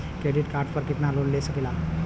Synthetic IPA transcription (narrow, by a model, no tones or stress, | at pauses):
kɾeɖiʈkaɾʈpəɾkiʈ̪nalonlesəkela